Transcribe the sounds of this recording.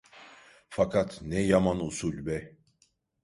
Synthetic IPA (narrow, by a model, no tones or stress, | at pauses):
fakʰat̪nɛjamanusulʲbɛ